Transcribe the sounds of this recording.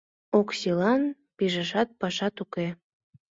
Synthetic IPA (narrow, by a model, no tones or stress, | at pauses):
oksilɑn | piʒəʃɑt̪̚pɑʃɑt̪uke